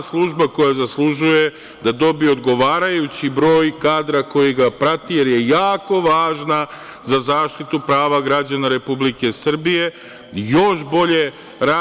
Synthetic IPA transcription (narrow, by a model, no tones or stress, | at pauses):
slˠuʒbako̞jazaslˠuʒuje̞ | d̪ad̪o̞bieod̪ɡo̞ʋaːɾajut͡ɕibɾo̞ːjkaːd̪ɾako̞jiɡapɾat̪ije̞ɾje̞jaːko̞ʋaːʒna | zazaːʃt̪it̪upɾaːʋaɡɾad͡ʑanaɾe̞publike̞sr̩bije̞ | jo̞ʃbo̞ʎe̞ | ɾa